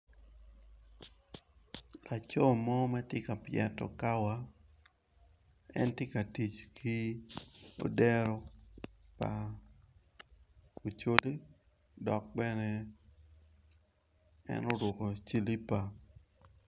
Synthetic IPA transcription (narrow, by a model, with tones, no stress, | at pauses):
la˨t͡ʃɔ˦mɔ˦mɛ˦tjɪ˦ka˨pjɪɛ˨tɔ̰˨ka˦wa˦ | ɛ̰˦ntɪ˦ka˨ti˨t͡ʃkʰi˦ | o̰˨dɛ˦ɾo˦ | pa˨ | o˨t͡ʃo˦li˦ | dɔ˨k̚bɛ˦nɛ˨ | ɛ̰˦no˦ɾʊ˨ko˨t͡ʃi˦li˦pa˨